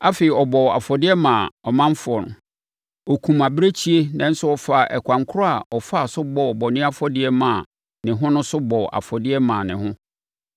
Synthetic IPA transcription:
a˦fe˨i˨ɔ˨bɔ˨a̰˨fɔ˨dɪ˦ɛ˦mãː˨ɔ˨mã˦ɱ˦fɔ˨nʊ̰˨ | ɔ˨kʰũ˨ma˨bɾe˦t͡ɕʰi˦e˦nã˨n̩˦sʊ˦ɔ˨fa˨ʔɛ˨kʷʰã˨ŋkʰʊ˦ɾɔ˦a˨ɔ˨fa˦˨sʊ˦bɔ˨ɔ˨bɔ˨nɪ̃˦a˦fɔ˦dɪ˦ɛ˦mãː˨ | nɪ̃˨ɦʊ̃˦nʊ̃˦sʊ˦bɔ˨ʔa̰˨fɔ˨dɪ˦ɛ˦mãː˨nɪ̃˨hʊ̃˦

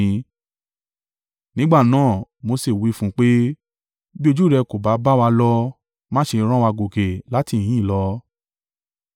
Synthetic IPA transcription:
nĩ˦ɡ͡ba˦˨nãː˦˨mo˧se˦˨wi˨˦fũ˦k͡pe˦ | bi˦o˧d͡ʒu˦˨ɾɛ˧ko˨ba˨˦ba˦wa˧lɔ˧ | mãː˦ʃe˧ɾ̃ã˦wa˧ɡo˨ɡe˨la˨˦ti˦˨ĩ˨˦˨lɔ˨˧˦

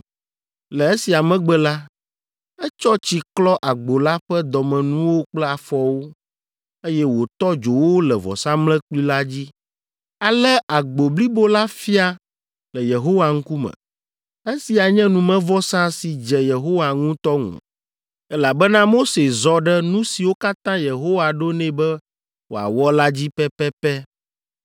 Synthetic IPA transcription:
lɛ˨e˦si˨a˨mɛ̃˦ɡ͡bɛ˦la˦ | ɛ˦t͡ʃɔ˦t͡ɕi˨klɔ˦ʔa˨ɡ͡bo˨la˦ɸɛ˦d̪ɔ˨mɛ̃˨nũ˦wo˦k͡plɛ˦a˨fɔ˨wo˦ | e˦jɛ˦wo˨t̪ɔ˦d͡ʒo˨wo˦lɛ˨vɔ̰˨sã˦mlɛ̃˦k͡pli˦la˦d͡ʑi˦ | a˨lɛ˦ʔa˨ɡ͡bo˨bli˦bo˦la˦fi˦a˦ | lɛ˨je˨ɦo˦wa˨ŋ̩˦ku˦mɛ̰̃˨ | ɛ˦si˨a˨ɲɛ̃˦nũ˨mɛ̃˦vɔ˦sã˦si˨d͡ʒɛ˨je˨ɦo˦wa˨ŋũ˦t̪ɔ˦ŋṵ̃˨ | ɛ˦la˨bɛ˦nã˦mo˦se˨zɔ˨ɖɛ˦nũ˦si˨wo˦ka˦t̪ã˦je˨ɦo˦wa˨ɖo˦nɛ̃˦bɛ˦ | wo˨a̰˨wɔ˦la˦d͡ʑi˦pɛ˦pɛ˦pɛ˦

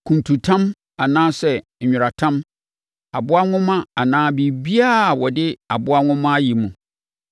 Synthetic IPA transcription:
kʰũ˨ntʰũ˨tʰã˦m | a˨nãː˦sɛ˦˨ | ɲᶣʊ˨ɾa˨tʰã˦m | a˨bʊ˦a˦ŋʊ̃˦mã˦a˨nãː˦bi˨bi˦a˦˨wɔ˨dɪ˦a˨bʊ˦a˦ŋʊ̃˦mã˦ji˨mũ˨

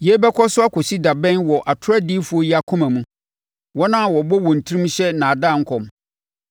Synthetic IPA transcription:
je˦bɛ˦kʰɔ˦sʊ˦a˦kʰo˨si˦da˨bɛ̃˦nwɔ˨ʔa˨tʰʊ˦ɾa˦di˦fu˨˦o˦ji˦a˨kʰʊ̃˦mã˨mũ˦ | wɔ˦nã˦˨wɔ˨bɔ˦wɔ̃˨n̩˨tʰi˦ɾĩ˦m̩˦ɕɛ˦nã˨a˨dã˦˨ŋ̩˦kʰɔ̃˨m

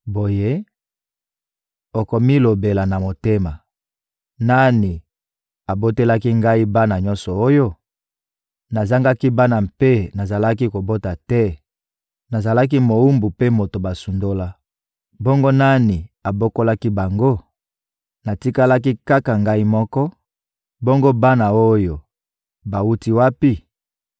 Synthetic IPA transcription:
bo˨je˦ | o˨ko˨mi˦lo˨be˨la˨na˨mo˨te˦ma˨ | na˦ni˨ | a˨bo˦te˦la˦ki˦ŋɡa˦i˦ba˦na˨ɲɔ˦nsɔ˨o˦jo˦ | na˨za˦ŋɡa˦ki˦ba˦na˨mpe˦na˨za˨la˦ki˦ko˨bo˦ta˨tɛ˦ | na˨za˨la˦k̬i˦mo˨wu˦mbu˨pe˦mo˨to˨ba˨su˨ndo˦la˦ | bo˦ŋɡo˦na˦ni˨a˨bo˦ko˦la˦ki˦ba˨ŋɡo˦ | na˨ti˦ka˦la˦ki˦ka˦ka˨ŋɡa˦i˦mɔ˦kɔ˦ | bo˦ŋɡo˦ba˦na˨o˦jo˨ | ba˨u˦ti˦wa˦pi˦

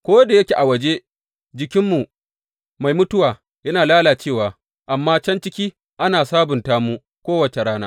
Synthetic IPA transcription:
kʷoː˦wɐ˦da˨jɐ˦kʲe˨ʔa˨wɐ˨d͡ʒe˦ | d͡ʒɪ˨kʲɪ˦mːu˨ | ma˨jmʊ˦tʊ˦waː˨ | jɐ˦naː˨laː˦laː˨t͡ʃeː˦˨waː˨ | ʔa˨mːaː˦t͡ʃɐ˦nt͡ʃɪ˦kʲiː˦ | ʔa˦naː˨saː˦bʊ˨ntaː˦muː˦ | kʷoː˦wɐ˨t͡ʃe˨ɽaː˦naː˦

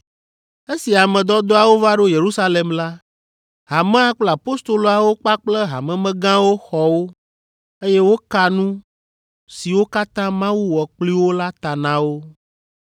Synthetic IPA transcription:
e˦si˨a˨mɛ̃˨d̪ɔ˦d̪o˦a˨wo˦va˦ɖo˦je˨ɾu˦sa˦le˨mla˦ | ɦa˨mɛ̃˦a˦k͡plɛ˦a˨po˦st̪o˨lo˨a˨wo˦k͡pa˦k͡plɛ˦ɦa̰˨mɛ̃˨mɛ̃˦ɡã˦wo˦xɔ˨wo˦ | e˦jɛ˦wo˦ka˨nũ˦ | si˨wo˦ka˦t̪ã˦mã˦wu˦wɔ˨k͡pli˦wo˦la˦t̪a˨nã˨wo˦

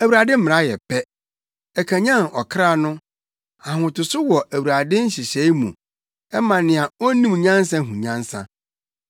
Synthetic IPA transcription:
æ˨wu˨ɾa˨dɪ˦m̩˦m̃˨ɾa˦jɛ̰˨pʰɛ˦ | ɛ˨kʰã˨ɲã˦nɔ˨kʰɾa˦˨nʊ̃˦ | a˨hʊ̃˨tʊ˨sʊ˦wɔ˨ʔæ˨wu˨a˨dɪ˦n̩˦ɕɪ˨ɕɛ˨˦i˦mṵ̃˨ | ɛ˦mã˨nɪ̃˨a˨ɔ˦nĩ˦m˨ɲã˦n˦sã˦ɦũ˨ɲã˦n˦sã̰˦

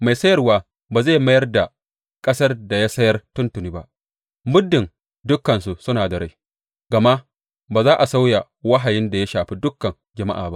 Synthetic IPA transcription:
ma˨jsɐ˦jɐ˦rwaː˦ | baː˨za˦˨ma˦jɐ˦rda˨ | kʼɐ˦sɐ˦rda˨ja˦sɐ˦jɐ˦rtʊ˦ntʊ˨niː˦ba˦ʔ | mʊ˦dːɪ˨n | dʊ˦kːɐ˨nsu˨sʊ˦naː˨da˨ɽa˦j | ɡ̥ɐ˨ma˦ | baː˨zaː˦ʔa˨sa˦wja˨ | wɐ˦ɦa˨jɪ˦nda˨ja˦ʃaː˨ɸi˦dʊ˦kːɐ˨ŋ | d͡ʒɐ˨ma̰˦ʔaː˨ba˦ʔ

